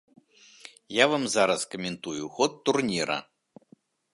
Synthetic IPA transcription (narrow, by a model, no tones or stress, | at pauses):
javamzaɾɐskɐmʲɛnt̪ujuxɔt̪ːurnʲiɾɐ̰